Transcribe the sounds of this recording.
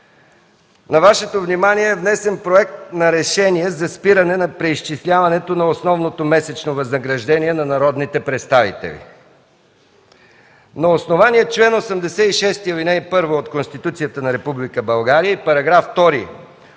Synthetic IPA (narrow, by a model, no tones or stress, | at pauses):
nɐvaʃɛt̪ovnimaniɛːvnɛsɛnpɾoɛk̚t̪nɐɾɛʃɛniɛzɐspiɾɐnɛnɐpɾɛiʃt͡ʃislʲavɐnɛt̪onɐosnɔvnot̪omɛsɛt͡ʃnovɐznəɡɾɐʒd̪ɛniɛnɐnɐɾɔd̪nit̪ɛpɾɛt̪st̪avḭt̪ɛ̰lḭ | nɐosnovaniɛt͡ʃlɛnosɐmd̪ɛsɛiʃɛst̪iəvinɛjpɤɾvoot̪konst̪it̪ut̪sijət̪ənɐɾɛpublikəbɐlˠɡaɾijəipɐɾɐɡɾaft̪ɔɾi